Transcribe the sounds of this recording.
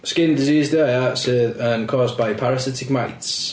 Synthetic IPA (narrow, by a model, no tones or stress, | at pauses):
skɪ̃ndɪziːzdeɪatsəːdə̃nkʰɔːzbaɪpʰaɹəsɪtɪk̚maɪts